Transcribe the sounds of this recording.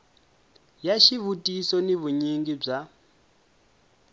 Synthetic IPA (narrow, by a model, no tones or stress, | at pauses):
jaʃiβutʼisɔniβuɲiŋɡib͡ʐa